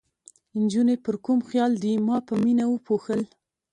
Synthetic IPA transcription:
ɪnd͡ʒunepəɾkumxjɑld̪imɑpəminawəpʰoxəl

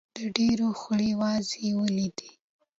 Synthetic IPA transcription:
d̪̥əɖeɾoxəɽewɑzewəlid̪i

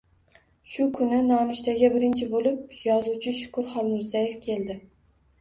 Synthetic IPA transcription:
ʃʊkʰʊnɪnɒnʊʃt̪aɡʲabɪɾɪnt͡ʃʰɪbolɪp̚jɒzuwt͡ʃʰɪʃʊ̥kʊɾχɒlˠmɪɾzaje̞fkʲʰe̞lˠd̪ɪ

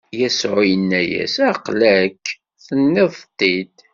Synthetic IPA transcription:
jæsʕʊjənːæjæ̰sæqlækː | θənːiðˤt̪ːid̪

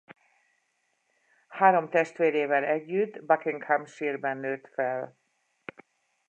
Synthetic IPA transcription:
haːɾo̞mt̪ɛʃt̪ʋeːɾeːvɛlɛɟːyd̪bɑkiŋkhampʃiːrbɛnːøːt̪fɛl

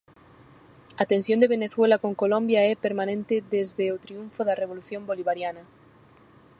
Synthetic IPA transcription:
ɐt̪ensjõnd̪eβeneθwelɐkoŋkolõmbjɐɛpeɾmanẽnt̪ɪðezðeot̪ɾiuɱfoðɐreβ̞oluθjõmboliβaɾjanɐ

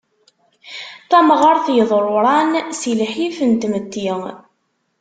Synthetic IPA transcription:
θæmʁəɾˤθjəðˤɾˤʊɾˤɑnsilħifənt̪mət̪ːiŋ

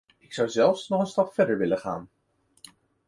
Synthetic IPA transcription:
ɪksʌwzɛlˠfsnɔχənstɑpfɛɹdəɹʋɪləχa̰ːn

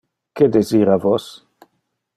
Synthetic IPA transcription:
ked̪eziːɾavos

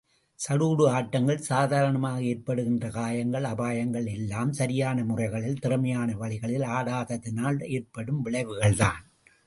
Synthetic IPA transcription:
sɐɽuːɽɯaːʈːɐŋɡɐɭsaːðaːɾɐɳɐmaːɣɐeːrpɐɽɯɣɪndrɐkaːjɐŋɡɐɭɐbaːjɐŋɡɐɭɛlːaːmsɐɾɪjaːnɐmʊrɐɪɣɐɭɪlt̪ɪrɐmɐjaːnɐʋɐɭɪɣɐɭɪlaːɽaːðɐt̪ːɪnaːleːrpɐɽɯmʋɪɭɐɪʋɯɣɐɭða̰ːn

